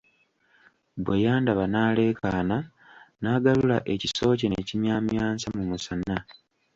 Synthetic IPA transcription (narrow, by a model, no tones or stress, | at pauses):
bwe̞jaːndaβanaːle̞ːkʰaːna | naːɡalulaʔe̞ciso̞ːcenecimjaːmjaːnsamumusana